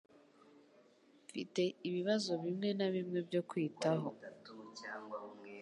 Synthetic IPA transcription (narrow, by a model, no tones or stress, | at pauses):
fḭte̞iβiβazo̞βimŋe̞naβimŋe̞bjo̞kwiːtaɦo̞